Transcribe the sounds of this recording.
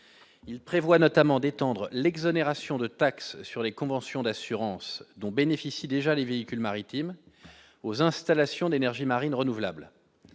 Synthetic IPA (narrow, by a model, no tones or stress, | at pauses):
ilpχevwanɔt̪amɑ̃d̪et̪ɑ̃d̪ʁəlɛɡzɔneʁasjɔ̃d̪ət̪aksːyʁlekɔ̃vɑ̃sjɔ̃d̪asyʁɑ̃sd̪ɔ̃benefisid̪eʒaleveikʲylmaʁit̪im | ozɛ̃st̪alasjɔ̃d̪enɛʁʒimaʁinʁənuvla̰bl